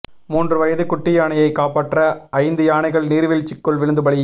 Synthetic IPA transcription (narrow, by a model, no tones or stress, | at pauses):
muːndrɯʋɐjɐðɯkʊʈːɪjaːɳɐjɐɪkːaːpaːʈrɐʔɐɪnd̪ɯjaːɳɐɪɣɐɭniːɾʋɪɭt͡ʃɪkːɯɭʋɪɻɯnd̪ɯbɐɭɪ